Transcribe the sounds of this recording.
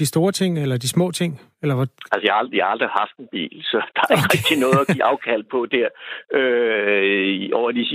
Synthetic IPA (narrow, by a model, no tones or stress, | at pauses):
d̥isd̥o̝ːɐt͡sʰe̝ŋ̰elɐd̥ismɔ̰̽ːt͡sʰe̝ŋ̰ | elɐʋɒælsəjɑhld̥ijɑ̈hɑ̈ld̥ʁihɑ̈fd̥enb̥ḭːlsɒ̽d̥ɑ̥̈ʁɛɡ̥̚d̥inɔ̽ːð̩ˠɐɡ̥ḭːʔɑ̈ʊkʰæl̰̚pʰɒ̽d̥æɐ̰ø | ɒʊ̰ɐd̥is